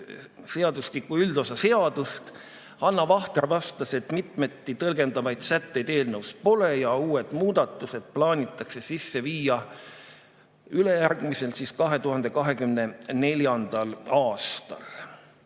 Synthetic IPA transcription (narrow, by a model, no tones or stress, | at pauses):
se̞ɑd̪uslikːˑuyld̪̥o̞sɑse̞ɑd̪̥ust̪ | hɑnːɑvɑht̪ervɑst̪ɑse̞t̪ːˑmit̪me̞t̪ːit̪ɤlɡe̞nd̪̥ɑvɑjd̪sæt̪ːe̞jd̪̥e̞ːlnəwspo̞le̞jɑuːe̞d̪̥muːd̪̥ɑt̪ːˑuse̞d̪̥̚plɑːnʲit̪ˑːɑkse̞sisːe̞viːɑ | yle̞jærɡ̥mise̞lsiskɑɦe̞t̪uɦɑnd̪̥e̞kɑɦe̞kymne̞ne̞ljɑnd̪̥ɑlɑːst̪ɑ̰l